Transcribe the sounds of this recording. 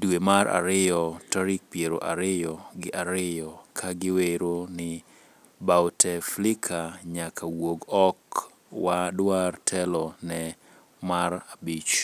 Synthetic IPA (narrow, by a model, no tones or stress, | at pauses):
dwemaɾʔa̰ɾɪjɔtaɾik̚pjeɾo̰ʔaɾɪjɔɡɪʔaɾɪjɔkʰaɡɪweɾonɪ | bawtʰɛflɪkʰaɲakʰawoɡɔk | wadwartʰɛlɔnɛ | marabit͡ʃ